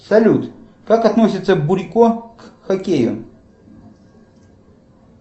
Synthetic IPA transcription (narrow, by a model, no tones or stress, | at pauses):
sɐlʲut̪ | kakɐt̪nosʲɪt̪səbʊɾʲkokxɐkʲejʊ̰